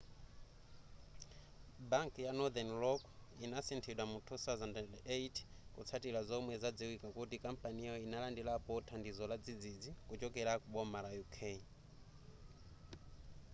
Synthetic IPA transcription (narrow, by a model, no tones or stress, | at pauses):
baŋkjanɔd̪ɛnlɔkinasɛntʰɛɗwamutʰuθazandɛndeitʰkut͡sʰatilazɔmwɛzad͡ziwikakutikampanijɔinalandilapɔtʰandizɔlad͡zid͡zid͡zikut͡ʃɔkɛɾakuɓɔmalajukʰei